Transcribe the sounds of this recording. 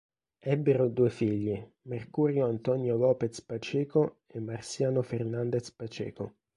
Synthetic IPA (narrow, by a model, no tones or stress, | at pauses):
ɛbːeɾod̪uːefiʎːi | merkuːɾjoant̪ɔnjolɔːpet̪spat͡ʃɛːko | emːarsjaːnofernand̪et̪spat͡ʃɛ̰ːko